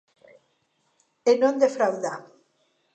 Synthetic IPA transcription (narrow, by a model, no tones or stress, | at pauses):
enõnd̪efɾawða